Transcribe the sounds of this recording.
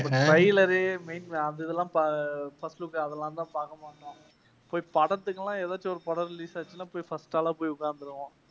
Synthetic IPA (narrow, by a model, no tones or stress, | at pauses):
pːɐʈɾɐɪlɐɾɯmeɪnɐðɪðɛlːãːpafɐsʈʊkːaɐðɛlːãːt̪ãːpaːkɐmaːnːãː | poːjpɐɽɐt̪ːɯkːɐlːãːeːðaːt͡ʃːiɔɾɯpɐɽɐɾɾɪliːsaːt͡ʃːɪnaːpoːjifɐsʈaːlãːpoːjiʊkːaːɾnd̪ɯɾɯʋãː